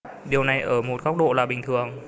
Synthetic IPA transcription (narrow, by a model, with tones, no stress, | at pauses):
ɗi˨˩əwna˨˩jʔəː˧˩mo˨˩t̚kɔ˦˥wk͡p̚ɗo̰˧˨laː˨˩ɓï˨˩ŋ̟t̪ʰɨ˨˩əŋ